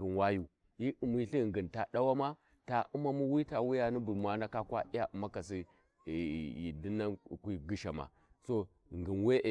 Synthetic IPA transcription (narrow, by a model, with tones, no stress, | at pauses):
ɡi˨nwa˦ju˨ | ji˦u˨mi˦ɬi˦˨ŋɡi˨nta˨ɗa˦wa˦ma˦ | ta˨u˦ma˦mu˦wi˦ta˨wi˦ja˨ni˦bu˨lmʷ˨a˦na˦ka˦kwa̰˦i˦ja˦ʔu˨ma˦ka˨si˦˨ | jḭ˨di˦na˦˨kʷi˦ɡi˦ʃa˨ma̰˨ | so˦˨ | ŋɡi˨nwe˦ʔ